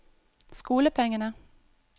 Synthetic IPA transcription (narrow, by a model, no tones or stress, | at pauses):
skuːləpʰɛŋːənə